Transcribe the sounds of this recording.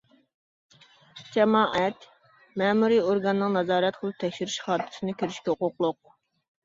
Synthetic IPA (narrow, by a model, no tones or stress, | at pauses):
d͡ʒɛmɑːʔɛt̪ | mɛːmuɾioɾɡɑnɨnɨŋnɑzɑːɾɛt̪qʰəlˠɨp̚t̪ʰɛkʲʃyɾyʃχɑːt̪ʰɪ̥sɨnɨkʲʰyɾyʃkʲɛoqoqlˠʊq̚